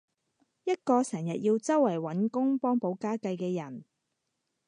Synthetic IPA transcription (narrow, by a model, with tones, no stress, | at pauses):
jɐ˥t̚kɔː˧sɛː˨˩ŋjɐ˨t̚jiː˧wt͡sɐ˥wːɐ˨˩jwɐ˨˥nkʊ˥ŋpɔː˥ŋpo˨˧wkaː˥kɐ˧jkɛː˧jɐ˨˩n